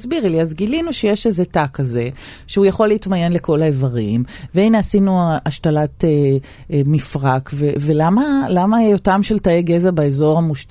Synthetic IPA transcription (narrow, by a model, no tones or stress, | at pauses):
sbiʁliazɡilinuʃejeʃezetakaze̞ʃeujaχo̞lːiitmaje̞nle̞ko̞laevaʁimveinasinuaʃtalate | mifʁakvevelamalamajotamʃeltaeɡe̞zabaezo̞ʁhamuʃt